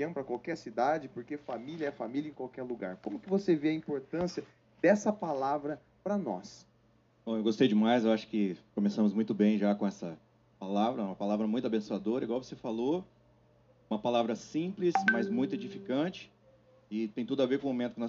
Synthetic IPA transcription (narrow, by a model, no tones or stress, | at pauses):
ɐ̃w̃pɾɐkwawkɛɾsid̪ad͡ʒɪpoɾkefamiljɐɛfamiljɐẽkwawkɛɾluɡa̰ɾkõmʊkɪvoseveɐĩpoɾt̪ɐ̃siɐ | d̪ɛsɐpalavɾɐ | pɾɐnɔ̰s | bɐ̃w̃ewɡost̪ejʊd͡ʒɪmajzewaʃʊ̥kɪkõmesɐ̃mʊzmũj̃t̪ʊbẽj̃ʒakõɛsɐ | palavɾɐũmɐpalavɾɐmũt̪ʊabẽsuad̪oɾɐiɡwawvosefalo | ũmɐpalavɾɐsĩplɪsmɐzmũj̃t̪ʊed͡ʒifikɐ̃t͡ʃɪ̥ | ɪt̪ẽj̃t̪ud̪ʊaveɾkõmõmẽt̪ʊ̥kɪnɔ